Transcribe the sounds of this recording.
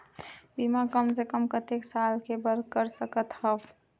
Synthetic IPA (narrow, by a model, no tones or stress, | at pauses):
biːmakəmsekəmkət̪eːksaːlkebəɾkəɾsəkət̪həʋ